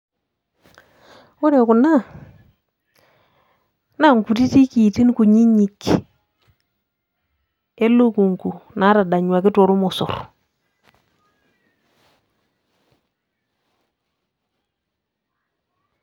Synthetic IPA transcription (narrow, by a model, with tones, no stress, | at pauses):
o˦ɾe˨ku˨na˦˨ | na˦˨ŋku˨ti˦ti˦ki˨ti˦n˦ku˨ɲi˦ɲi˨k | e˦lo˦ku˨ŋku˨na˦ɾa˨da˨ɲwa˨kɪ˦to˨ɾu˦mɔ˨so̰˨r